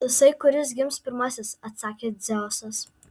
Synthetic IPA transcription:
jɪsɐɪkʊɾʲɪsɡʲɪmspʲɪɾmɑsʲɪsɐt̪sɑːkʲeːd̪zʲæːsɐs

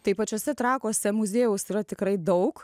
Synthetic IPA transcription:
t̪ɐɪpɐt͡ʃʲoːsʲɛt̪ɾɑːkoːsʲɛmʊzʲeːjʊsiːɾɐt̪ʲɪkɾɐɪd̪ɐʊk

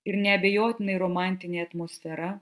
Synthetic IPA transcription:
ɪɾnʲɛɐbʲɛjoːt̪ʲɪnɐɪɾoːmɑˑnʲt̪ʲɪnʲeːɐt̪moːsʲfʲɛɾɐ

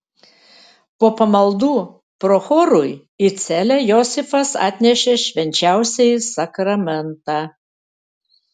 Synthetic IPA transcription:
poːpɐmɐlˠd̪uː | pɾɔxɔːɾʊj | ɪt̪sʲælʲæjɔsʲɪfɐsɑ̰ːt̪ʲnʲɛʃʲeʃʲʋʲɛnʲt͡ʃʲæˑʊsʲɛjsɐkɾɐmʲɛnt̪ɑː

